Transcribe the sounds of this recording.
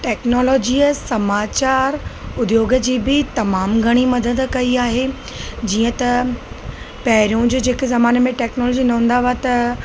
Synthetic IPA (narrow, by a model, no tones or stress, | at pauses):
ʈɛːknɔːlɔːd͡ʑiːəsɐmaːt͡ɕaːɾʊd̪joːɡəd͡ʑiːbɪt̪ɐmaːmɡʱɐɽ̃imɐd̪əd̪kɐiaːɦe | d͡ʑiːə̃t̪ɐ | pɐɦɪɾijũd͡ʑoːd͡ʑeːkzɐmaːnmẽʈɛːknɔːlɔːd͡ʑinɐɦũn̆d̪aʋat̪ɐ